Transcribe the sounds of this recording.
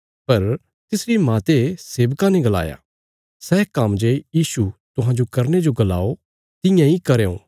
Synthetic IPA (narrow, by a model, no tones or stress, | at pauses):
pɐɾ | t̪ɪsɾimaːt̪eseːʋkãnĩɡɐla̰ːja̰ | sɛkɐmd͡ʒejiːsut̪ʊɦãd͡ʒokɐɾned͡ʒoɡɐla̰ːo | t̪ɪjãikɐɾeːõ̰ː